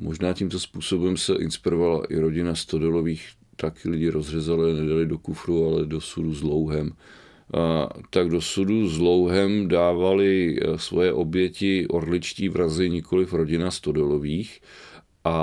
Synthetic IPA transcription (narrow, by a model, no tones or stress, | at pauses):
mo̞ʒnaːciːmt̪o̞spuːso̞bɛmsɛʔɪnspɪɾovala̰ʔɪ̰ɾo̞ɟɪnast̪odɛlo̞viːx | t̪akɪlɪɟɪɾʔo̞zr̝ɛzalɪanɛdalɪdo̞kufɾualɛdo̞suduzlowɦɛm | t̪aɡdo̞suduzlo̞wɦɛmdaːvalɪsvo̰jɛʔo̞bjɛcɪʔo̞ɾlɪt͡ʃciːvɾazɪɲɪkʰo̞lɪfɾo̞ɟɪnast̪odɛlo̞viːx | ʔa